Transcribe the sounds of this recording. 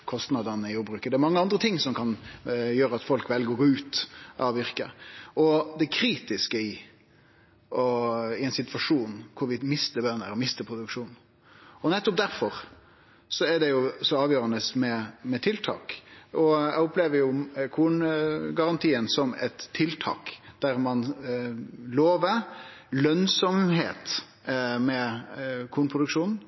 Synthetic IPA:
kʰɔst̪nɑd̪ɑnəɪjuːɾbɾʉːkəd̪ɛæɾmɑŋːəɑnd̪ɾət̪ʰɪŋːsɔmkʰɑnjøːɾəɑt̪fɔlkʋɛlɡəɾɔɡoːʉːt̪ʔɑːʋɪɾkə̰ɔd̪ɛkʰɾiːt̪ɪskəɪ | ɔɪɛɪnsɪt̪ʋɑʂuːnkʰʊɾʋɪmɪst̪əbœnːəɾɔmɪst̪əpʰʁʊd̪ʉkʂuːn | ɔnɛt̪ːʊp̚d̪æɾfɔɾ | sɔæɖ̪ɛjʊsɔɑːʋjøːɾɑnəsmɛmɛt̪ʰɪlt̪ʰɑ̰ːkʔɔæ̰ɔpleːʋəɾjʊkʰuːnɡɑɾɑnt̪ʰiːənsɔmɛ̰t̪ʰːɪlt̪ʰɑ̰ːkd̪̥æɾmɑn | loːʋəlœnsɔmɦeːt̪ | mɛkʰuːnpʰʁʊd̪ʉkʂuːnn̩

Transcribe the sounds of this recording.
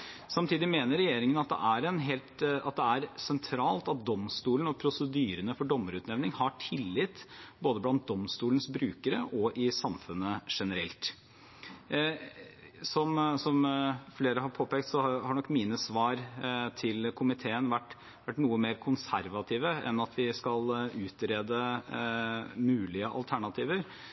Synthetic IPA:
sɑmt̪ʰiːd̪ɪmeːnəɾɛjeːɾɪŋənɑt̪̚d̪ɛ̰ʔæɾɛnɦeːlt̪ɑt̪̚d̪ɛæɾsɛnt̪ʰɾɑːlt̪ɑt̪̚d̪ɔmst̪uːlən̩ɔpʰɾʊsəd̪yːɾənəfɔɖɔmːəɾʉːt̪nɛʋnɪŋhɑʈʰɪlːɪt̪ːboːd̪əblɑnt̪̚d̪ɔmst̪uːlnsbɾʉːkəɾəʔɔʔɪsɑmfʉnːəʂɛnəɾɛ̰lt̪ | sɔmsɔmfleːɾəɦɑɾpʰoːpɛːkt̪sɔhɑɳɔkːmiːnəsʋɑːɾt̪ʰɪlkʰʊmɪt̪ʰeːənʋæʈː | ʋæʈːnuːəmeːɾkʰʊnsæɾʋɑt̪ʰiːʋəɛ̰nːɑt̪ʰʋɪskɑlʉːt̪ɾeːd̪ə | mʉːlɪəʔɑ̰lt̪ʰæɳɑt̪ʰiːʋəɾ

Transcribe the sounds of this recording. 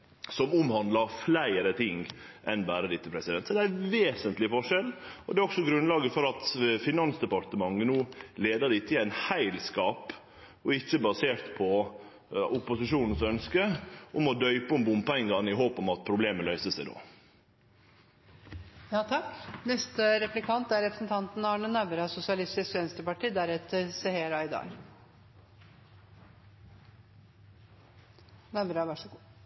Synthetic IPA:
sɔmʊmhɑnd̪lɑɾflæɪəɾət̪ʰɪŋ | ʔɛnbæːɾəd̪ɪt̪ːəpʰɾɛsɪd̪ɛnt̪sɔd̪ɛæʋeːsənt̪lɪfɔʂɛlɔd̪ɛɔksɔɡɾʉnlɑːɡəfɔɾɑt̪fɪnɑnsd̪ɛpɑɾt̪əmɑŋːənuːleːd̪əɖ̪ɪt̪ʰːɪæɪnhæɪlskɑːp | ɔɪçːəbɑseːɾt̪pʰɔ | ʊpʊsɪʂuːnn̩sœnskəɔmɔd̪œʏpɔmbʊmpɛŋɡɑnɪɦoːpɔmɑt̪̚pʰɾʊbleːməlœʏsəsæɪd̪o̰ː | jɑːt̪ʰɑknɛst̪əɾɛplɪkʰɑnt̪æɾɾɛpɾə̥sn̩t̪ʰɑnt̪n̩ɑːɳənæʋɾɑsʊsɪɑlɪst̪ɪskʋɛnst̪əpɑʈiːd̪æɾɛt̪əɾseheːɾɑɪd̪ɑ̰ːɡ | næbɾɑʋæʂ

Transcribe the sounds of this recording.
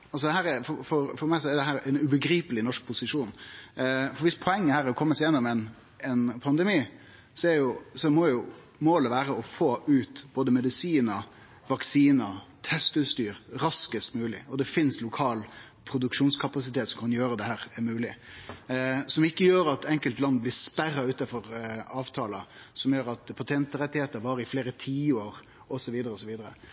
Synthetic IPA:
ɑlsɔd̪ɛɦæːɾɛfɔfɔɾfɔɾmæɪsɔɛɾd̪ɛɦæːɾɛnʉbəɡɾiːpəlɪnɔʂk̚pʰʊsɪʂuːn | fɔɾʋɪspʰɔɛŋːəhæːɾɛɾɔkʰɔmːəsɛːnəɾəmɛn | ɛnpʰɑnd̪ɛmiː | sɔɛjʊsɔmɔjʊ | moːləʋæːɾəɔfoːʔʉːt̪boːd̪əmɛd̪ɪsiːnɑ | ʋɑksiːnɑt̪ʰɛst̪ʉst̪yːɾɾɑskəst̪mʉːlɪɔd̪ɛfɪnslʊkʰɑːl | pʰɾʊd̪ʉkʂuːnskʰɑpɑsɪt̪ʰeːt̪sɔmkʰɑnjøːɾəd̪ɛhæːɾmʉːlɪ | sɔmɪkːəjøːɾɑt̪ɛŋkəlt̪lɑnːblɪspærːɑʉːt̪ɑfɔɾɑːʋt̪ʰɑːlɑsɔmjøːɾɑt̪pʰɑt̪ʰɛnt̪əɾɛt̪ːɪheːt̪əɾʋɑːɾɪfleːɾət̪ʰiːoːɾ | ɔsɔʋiːd̪əɾəɔsɔʋiːd̪əɾə

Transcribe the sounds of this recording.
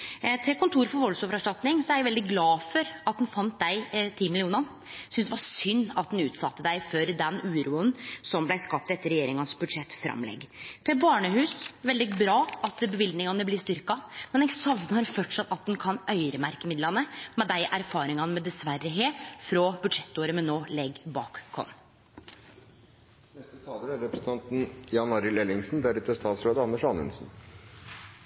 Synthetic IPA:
t̪ʰɪkʊnt̪ʰuːɾfɔɾʋɔlsoːʋəɾɑʂʈɑt̪nɪŋsɔɛæɾjæʋɛld̪ɪɡlɑːfɔɾɑt̪̚d̪nfɑnt̪̚d̪æɪt̪ʰiːmɪlɪuːnɑn | sʏnsd̪ɛʋɑɾsʏnːɑt̪̚d̪nʉːt̪sɑt̪ːəd̪æɪfɔɾd̪ɛnʉːɾuːənsɔmblæɪskɑp̚t̪ɛt̪ːəɾɛjeːɾɪŋɑnsbʉd̪ʂɛt̪ːfɾɑ̰mlɛ̰ɡːt̪ʰɪlbɑːɳəɦʉːsʋɛld̪ɪbɾɑːʔɑt̪̚bəʋɪld̪nɪŋɑnəblɪst̪ʏɾkɑmɛnæɪsɑʋnəhɑɾfɔʈʂɑt̪ːɑt̪̚d̪ɛnkʰɑnʔœʏɾəmæɾkəmɪd̪lɑnəmɛd̪æɪʔæɾfɑːɾɪŋɑnəmɛd̪ɛsʋæɾːəɦeːfɾɔbʉd̪ʂɛt̪ːoːɾəmɛnoːlɛɡbɑ̰ːkkʰːɔ̰n | nɛst̪ət̪ʰɑːləɾæɾɛpɾəsən̩t̪ʰɑnt̪n̩jɑnɑɾɪlɛlɪŋsn̩d̪æɾʉt̪əst̪ɑːt̪sɾoːd̪əɑnːəʂɑnʉ̰nsn̩

